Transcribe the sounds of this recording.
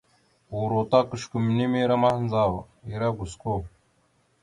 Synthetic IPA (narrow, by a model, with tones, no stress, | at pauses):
u˨ɾo˨t̪a˦kə˨ʃku˨m˨ni˦me˦ɾa˦ma˦hnd͡za˦w | i˨ɾa˦ɡu˨sko˦